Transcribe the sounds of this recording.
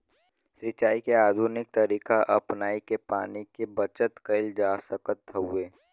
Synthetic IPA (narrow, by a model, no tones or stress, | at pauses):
sɾɪt͡ʃaːikeaːd̪ʱunɪk̚t̪ɐɾiːkaʔɐpnaːikepa̰ːnikebɐt͡ʃət̪kɐɪld͡ʒaːsəkət̪ːəɦueː